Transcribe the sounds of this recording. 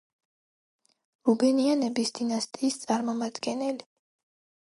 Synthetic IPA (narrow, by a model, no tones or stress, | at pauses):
ɾubɛnianɛbisd̪̥inast̪ʼiːst̪sʼaɾmɔmad̪ɡɛnɛli